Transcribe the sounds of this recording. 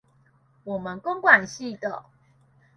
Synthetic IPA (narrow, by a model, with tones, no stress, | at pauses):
wɔ˨˩mə˨nko˦ŋkwa˨˩nɕi˥˨d̪ə˨